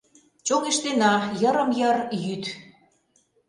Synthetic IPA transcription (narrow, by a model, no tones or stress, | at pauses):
t͡ɕoŋeʃt̪enɑjə̆ɾə̆mjərjyt̪